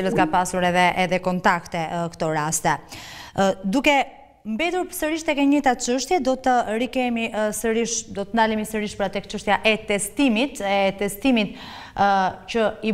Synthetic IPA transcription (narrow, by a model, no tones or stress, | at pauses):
iləsɡapasuɾɛðɛʔɛðɛkɔnt̪akt̪ɛkt̪ɔɾast̪ɛ | d̪ukɛ | mbɛd̪uɾpəsəɾiʃt̪ɛkɛɲit̪at͡ʃəʃt̪jɛd̪ɔt̪əɾikɛmisəɾiʃd̪ɔt̪ənd̪alimisəɾiʃpəɾat̪ɛkt͡ʃəʃt̪jaʔɛt̪ɛst̪imit̪ɛt̪ɛst̪imit̪ | cəi